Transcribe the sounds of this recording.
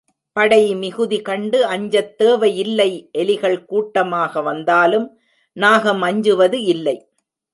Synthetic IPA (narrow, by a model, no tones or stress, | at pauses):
pɐɽɐjmɪɣɯðikɐɳɖɯɐɲd͡ʒɐt̪ːeːʋɐjɪlːɐɪʔɛlɪɣɐɭkuːʈːɐmaːɣɐʋɐnd̪aːlɯm | naːɣɐmɐɲd͡ʒɯʋɐðɯɪlːɐɪ